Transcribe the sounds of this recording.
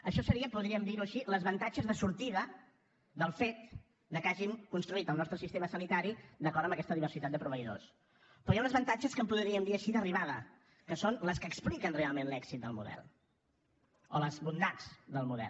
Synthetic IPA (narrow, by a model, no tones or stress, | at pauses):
əʃɔsəɾiəpuðɾiəmd̪iɾuəʃiləzβənt̪ad͡ʒəzðəsuɾt̪iðə | d̪əlˠfet̪̚ | d̪əkaʒimkunst̪ɾuit̪əlˠnɔst̪ɾəsist̪eməsənit̪aɾid̪əkɔɾt̪əmbəkɛst̪əðiβəɾsit̪at̪d̪əpɾuβəiðo̰s | pɾɔjaunəzβənt̪ad͡ʒəskəmpuðɾiəmd̪iəʃiðəriβaðə | kəsonləskəksplikənrealˠmenlɛksit̪̚d̪əlˠmṵðɛ̰lˠ | oləzβund̪ad͡zðəlˠmuðɛ̰l